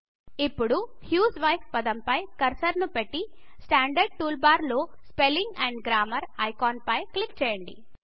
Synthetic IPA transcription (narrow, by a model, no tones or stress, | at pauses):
ipːuɽuhjuːsʋɐjfpɐd̪ɐmpɐjkɐɾsɐɾnupeʈːi | sʈaːɳɖɐɾɖ̚ʈuːlbaːɾloː | speliŋɡɛɳɖɡɾaːmɐɾɐjkaːnpɐjklipt͡ʃɛːjɐɳɖḭ